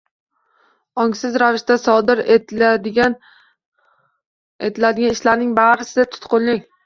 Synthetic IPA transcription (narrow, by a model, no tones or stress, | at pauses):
ɒŋsɪzɾavɪʃt̪asɒd̪ɪɾ | et̪ʰɪlad̪ɪɡʲanɪʃlaɾnɪŋbaɾɪsɪd̪at̪ʰʊ̥t̪qʰolɪŋ